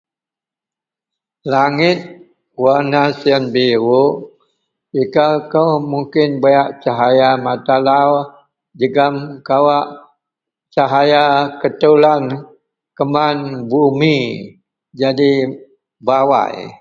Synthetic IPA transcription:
laŋɪt̪̚ | warnasiənbiɾuʔ | ikakəwmuŋkɪnbajaʔt͡ʃaɦajamat̪alaw | d͡ʒəɡamkawaʔ | t͡ʃaɦajakət̪ulan | kəmanbumi | d͡ʒadi | bawa̰j

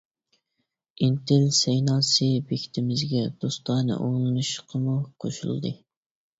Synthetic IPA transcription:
int̪ʰɪlsɛjnɑːsɨbekʲʰi̥t̪ʰɪmɪzɡʲɛd̪̥ost̪ɑːnɨ̰ʔolˠɨnuʃqʰəmɨqʰo̰ʃṵlˠɨd̪ɨ

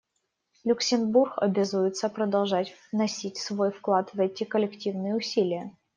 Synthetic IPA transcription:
lʲʊksʲɪnburxɐ̰bʲazujɪt̪səpɾəd̪ɐlˠʐatʲvnɐsʲitʲsvojfklˠat̪vɛtʲɪkəlʲɪktʲivnɨjəʊsʲilʲɪjə

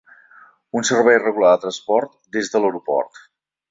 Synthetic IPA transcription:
unsərβɛjrəɣulad̪ət̪ɾənspɔɾt̪d̪ezðələwɾupɔ̰rt̪

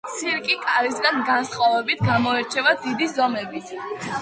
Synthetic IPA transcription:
t̪sʰiɾkʼikʼaɾisɡanɡansχavɛbit̪ʰɡamɔɛɾt͡ʃʰɛvad̪id̪izɔmɛbit̪ʰ

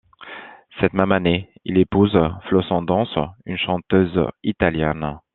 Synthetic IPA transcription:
sɛt̪mɛmaneilepuzflosɑ̃d̪ɑ̃synʃɑ̃t̪øzit̪aljɛn

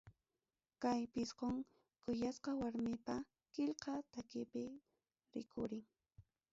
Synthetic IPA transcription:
kajpɪsqoŋ | kʊjasqɑwaɾmɪpa | kɪʎqɑt̪akɪpɪ | ɾɪ̰kʰʊɾɪŋ

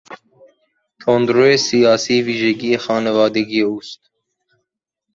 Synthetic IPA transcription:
t̪ʰond̪ɾoesijɑːsiːviːʒeɡiexɑːnevɑːd̪eɡieuːst̪

